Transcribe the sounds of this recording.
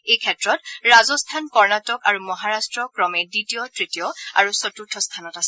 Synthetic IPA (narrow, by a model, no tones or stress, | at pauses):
ejkʰɛtɹɔtɹazɔstʰankɔɹnatɔkaɹumɔɦaɹastɹɔkɹɔmɛditijɔtɹitijɔa̰ɹusɔtutʰɔstʰanɔtasɛ